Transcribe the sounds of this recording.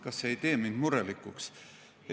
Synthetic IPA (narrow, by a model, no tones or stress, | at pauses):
kɑsːeejt̪e̞ːmind̪muɾelikːuks